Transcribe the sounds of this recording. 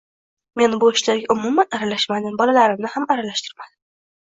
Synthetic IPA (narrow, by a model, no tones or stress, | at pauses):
me̞nbʊɪʃlaɾɡʲaʔʊmʊmanaɾalaʃmad̪ɪmbɒlalaɾɪmnɪhamaɾalaʃt̪ʰɪ̥ɾmad̪ɪ